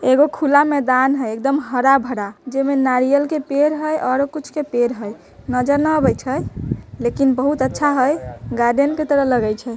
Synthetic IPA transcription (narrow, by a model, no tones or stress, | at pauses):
eɡokʰulamɛd̪anɦəjekd̪əmɦəɾabʱəɽad͡ʒemenaɾijəlkepeɾɦəjʔɔɾkit͡ʃʰkepeɾɦəj | nəd͡ʒəɾnəbəjt͡ʃʰəjlekinbəɦut̪ətːʃʰaɦəjɡaɾɖenket̪əɾəɦləɡɛjt͡ʃʰɛ